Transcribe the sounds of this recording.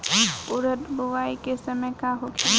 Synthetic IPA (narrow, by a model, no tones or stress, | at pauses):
ʊɾəd̪bʊʋaːikesəməjkaɦokʰi